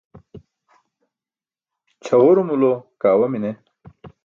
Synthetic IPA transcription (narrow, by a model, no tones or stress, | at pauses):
t͡ɕʰɐʁoɾumulokaːwɐmine